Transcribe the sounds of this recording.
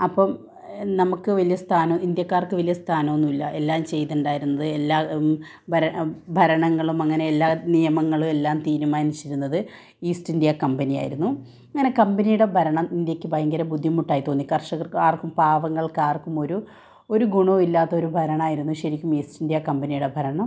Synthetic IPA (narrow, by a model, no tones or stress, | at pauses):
ɐpːɐm | nɐmukːɨʋɐlijɐst̪ʰaːnɐind̪jɐkːaːrkɨʋɐlijɐst̪ʰaːnɐʋonːumilːɐʔe̞lːaːmt͡ɕe̞jt̪uɳɖaːjiɾunːɐðɨelːaː | bʱɐɾɐbʱɐɾɐɳɐŋːɐɭumɐŋːɐne̞elːaːnijɐmɐŋːɐɭume̞lːaːmt̪iːɾumaːnit͡ɕːiɾunːɐðɨ | iːsʈindijɐkɐmbɐnija̰ːjiɾunːu | ɐŋːɐne̞kɐmbɐnijuɽe̞bʱɐɾɐɳɐmind̪jɐkʲːɨbʱɐjɐŋɡɐɾɐbud̪ʱːjimːuʈːaːjit̪ːo̞ːnːikɐrʂɐɣɐrkaːrkːumpaːʋɐŋːɐɭkaːrkːumo̞ɾu | o̞ɾuɡuɳoːilːaːt̪ːɐo̞ɾubʱɐɾɐɳaːjiɾunːuɕɐɾikʲːumiːsʈindijɐkɐmbɐnijuɽe̞bʱɐɾɐɳɐm